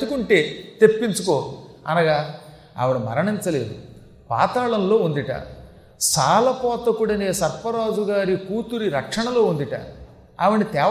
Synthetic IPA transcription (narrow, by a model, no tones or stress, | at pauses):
d̪ukuɳʈe̞ːt̪e̞pːint͡ʃuko̞ːɐ̰nɐɡaː | ɐ̰ʋɐɽumɐ̰ɾɐɳint͡ʃɐle̞ːd̪u | pa̰ːt̪aːɭɐnlo̞ːund̪iʈa̰ | saːlɐpɔːt̪ɐkuɽɐneːsɐɾpɐɾaːd͡ʒuɡaːɾikuːt̪uɾiɾɐkʂɐɳɐlo̞ːund̪iʈa̰ | ɐʋɐnit̪ɛː